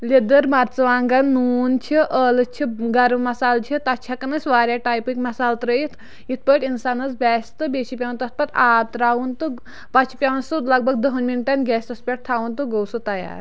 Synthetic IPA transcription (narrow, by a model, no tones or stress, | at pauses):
led̪əɾmat̪t͡sɐʋaːŋɡannːuːnt͡ʃʰiʔəlɨt͡ʃʰiɡɐɾʋmɐsaːlt͡ʃʰit̪at͡ʃʰakɐnɐsʲʋaːɾjaʈajpikmɐsaːlt̪ɾəjit̪ʰ | it̪̚ʰpəʈinsanɐt͡sbʲaːst̪ɨbet͡ʃʰipʲawnt̪ɐt̪̚pɐt̪aːt̪ɾaːʋunt̪ɨ | pat͡ʃʰi̥pʲawnsut̪lɐɡ̚bɐɡ̚d̪əɦunminʈanɡʲɛːst̪ɐspʲeʈ̚t̪ʰaːʋunt̪uɡɐwsut̪ɐja̰ɾ